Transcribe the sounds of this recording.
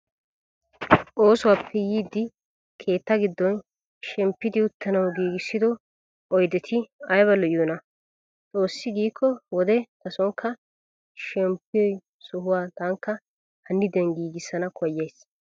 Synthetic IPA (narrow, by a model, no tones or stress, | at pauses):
ʔo̞ːsʊwaːpʰːɛjiːd̪ːɪ | kʰe̞ːt̪ːɐɡɪd̪ːɔn | ʃɛmpːɪd̪ɪʊt̪ʰːɐnɐwɡiːɡɪsːɪd̪ɔ | ɔjd̪ɛt̪ʰɪɐjβɐlɔʔjɔnɐ | t͡sʼo̞ːsːɪɡiːkʰːɔwɔd̪ɛt̪ɐsɔŋkʰːɐ | ʃɛmpːɪɔj | sʊɦʊwaːt̪aŋkːɐ | hɐnːɪd̪ɛnɡiːɡɪsːɐnɐkʰɔjːejs